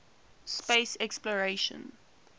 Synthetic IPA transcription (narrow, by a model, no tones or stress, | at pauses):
speɪsɛksplɔɹeʃə̰̃n